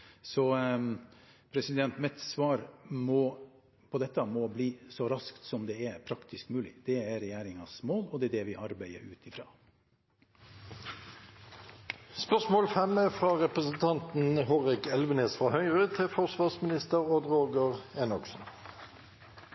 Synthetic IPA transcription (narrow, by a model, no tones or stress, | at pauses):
sɔ | pʰɾɛsɪd̪ɛnt̪mɛt̪sʋɑːɾmɔ | pʰɔd̪ɛt̪ːɑmɔbliːsɔɾɑskt̪sɔmd̪ɛæpʰɾɑkt̪ɪskmʉːlɪ̰d̪̥ɛæɾɛjæːɾɪŋɑsmoːlɔd̪ɛɛd̪ɛʋɪʔɑɾbæɪə̰ɾʉːt̪ʰɪfɾɑ̰ː | spœʁsmoːlfɛmɛfʁɑʁɛpʁəsn̩t̪ʰɑnt̪nhoːʁɪkɛlʋəneːsfʁɑhœʏʁət̪ʰɪfɔʁsʋɑːʁsmɪnɪst̪əʁɔd̪ʁoːɡəʁɛnɑksn̩